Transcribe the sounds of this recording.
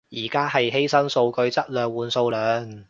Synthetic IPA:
jiː˨˩kaː˥ɦɐ˨jɦe˥jsɐ˥nso˧wkɵ˧ɥt͡sɐ˥t̚lœː˨ŋwuː˨˧nso˧wlœː˨˧ŋ

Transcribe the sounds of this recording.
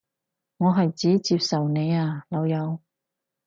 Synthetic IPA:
ŋɔː˨˧ɦɐ˨jt͡siː˨˥t͡siː˧p̚sɐ˨wne˨˧jaː˧lɐ˨˧wjɐ˨˧w

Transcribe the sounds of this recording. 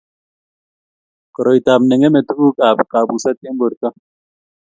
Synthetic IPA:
kɔ˨ɾɔ˨jta˨mnɛ˨ŋe˦me˨tu˦ku˦ka˨pka˨bu˨sa˦te˦m˦bo˨ɾka˦

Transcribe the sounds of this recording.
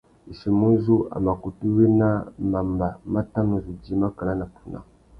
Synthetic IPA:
i˨ʃi˨mu˦zu˦a̰˨ma˨ku˨tu˦we˦na˦ma˨mba˨ma˦ta˦nu˨zu˨d͡ʒi˨˦ma˦ka˨la˦na˨pu˨na̰˨

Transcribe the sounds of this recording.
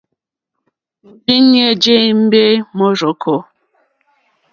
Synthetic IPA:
di˦ɲe˦˨d͡ʒe˦˨˦m̩˦be˦mɔ˦ɾo˨kʰɔ˦

